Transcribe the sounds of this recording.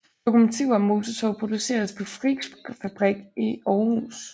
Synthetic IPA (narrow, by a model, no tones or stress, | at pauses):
d̥o̝kʰumot͡sʰiʊ̰ɐmːo̝ːt͡sʰɒt͡sʰɒʊpʰʁo̝d̥use̝̰ːɐspʰɒ̽fʁiɡ̥fæb̥ʁiɡ̥ʔiɒːhṵːs